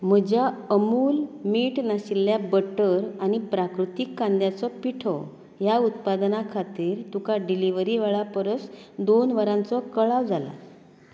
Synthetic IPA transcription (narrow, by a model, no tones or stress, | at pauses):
m̤əd͡ʑjaəmuːlmiːʈnaɕilːjabəʈəɾañipɾakɾut̪ikːãnd̪jat͡sɔpiʈʰɔ | jaut̪pad̪nakʰat̪iːɾt̪ukaɖiliʋəɾiʋaɭapəɾəsd̪onʋəɾãnt͡sɔkəɭaʋd͡zala̰